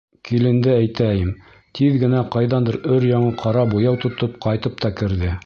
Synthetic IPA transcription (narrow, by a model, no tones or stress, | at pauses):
kilɘ̆nd̪ɘæjt̪æjɘm | t̪ʰiðɡɘ̆næqɑjðɑnd̪ɤɾɵɾjɑɴɤqʰɑɾɑbujɑwt̪ŏt̪ɤp̚qɑjt̪ɤp̚t̪ɑkɘ̆ɾðɘ